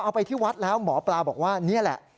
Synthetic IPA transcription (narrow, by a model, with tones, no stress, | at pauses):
ʔa˧wpa˧jt̪ʰiː˥˩wa˦˥t̪̚lɛː˦˥wmɔː˩˦plaː˧bɔː˨˩k̚waː˥˩ni˦˥˩ɐlɛ̰˨˩ʔ